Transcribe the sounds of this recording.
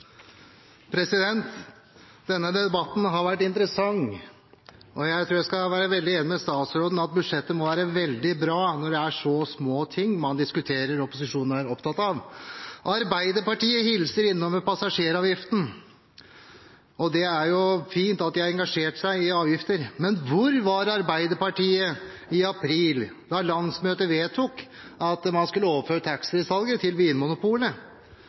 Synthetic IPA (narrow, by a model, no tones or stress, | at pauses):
pʰɾɛsɪd̪ɛnt̪ | d̪ɛnːəd̪ɛɛbɑt̪ːn̩ɦɑɾʋæʈːɪnt̪ɾəsɑŋ | ɔjæɪt̪ʰɾuːɾjæɪskɑʋæːɾəʋɛld̪ɪeːnɪmɛst̪ɑːt̪sɾoːd̪n̩ɑt̪̚bʉd̪ʂɛt̪ːəmɔʋæːɾəʋɛld̪ɪbɾɑːnɔɖɛæʂɔːsmoːt̪ʰɪŋːmɑnd̪ɪskʉt̪ʰeːɾəɾɔpʊs̬ɪʂuːn̩æɾɔpt̪ʰɑt̪ːɑʋʔɑɾbæɪd̪əɾpɑʈiːəhɪlsəɾɪnːɔməpʰɑsɑʂeːɾɑːʋjɪft̪n̩ | ɔd̪ɛæɾjʊfiːnt̪ɑt̪d̪ɛɑɛŋɡɑʂeːʈsæɪɪɑːʋjɪft̪əɾmɛnʋʊɾʋɑɾɑɾbæɪd̪əɾpɑʈiːə | ɪɑpʰɾiːl | d̪ɑlɑnsmøːt̪əʋeːt̪ʰːʊk | ɑt̪mɑnskʉlːəoːʋəføːɾət̪ʰæksɾəsɑlɡət̪ʰɪlʋiːənmʊnʊpuːlə